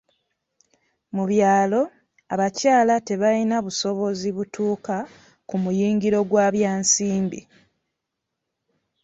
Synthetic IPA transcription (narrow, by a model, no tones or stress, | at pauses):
muβjaːlo̞ | aβacaːlate̞βalinaβuso̞βo̞ziβutuːka | kumujiːŋɡiɾo̞ɡwaːβjaːnsiːmbḭ